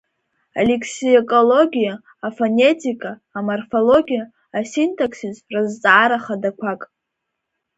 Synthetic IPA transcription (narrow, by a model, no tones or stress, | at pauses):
a̰lekʰsiekʼo̞lo̞ɡʲijaː | fone̞tʰʼikʼaːmorfo̞lo̞ɡʲijaː | sintʰokʰsizrɨzt͡sʼaaɾaχadakʷʰakʼ